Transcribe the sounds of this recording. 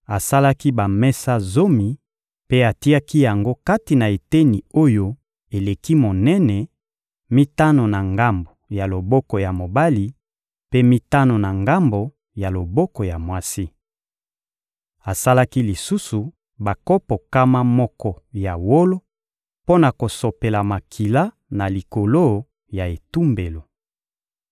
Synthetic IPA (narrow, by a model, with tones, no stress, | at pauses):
a˨sa˦la˦ki˦ba˨mɛ˦sa˦zo˦mi˨ | pe˦a˨ti˦a˦ki˦ja˨ŋɡo˦ka˦ti˨na˨e˨te˦ni˨o˦jo˦ | e˨le˨ki˦mo˨nɛ˦nɛ˨ | mi˦ta˦no˨na˨ŋɡa˦mbo˨ja˨lo˨bɔ˦kɔ˨ja˨mo˨ba˦li˨ | pe˦mi˦ta˦no˨na˨ŋɡa˦mbo˨ | ja˨lo˨bɔ˦kɔ˨ja˨mwa˦si˦ | a˨sa˦la˦ki˦li˨su˦su˨ | ba˨kɔ˦pɔ˨ka˦ma˦mɔ˦kɔ˦ja˨wo˦lo˦ | po˦na˨ko˨so˨pe˨la˨ma˨kʰi˨la˦ | na˨li˨ko˨lo˦ | ja˨e˨tu˦mbe˨lo˨